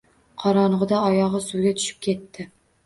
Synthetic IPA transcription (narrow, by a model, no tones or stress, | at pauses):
qʰɒɾɒnʊʁɨd̪aɒjɒʁɨsʊɡʲat̪ʰʊ̥ʃɪ̥p̚kʲʰe̞t̪ʰːɪ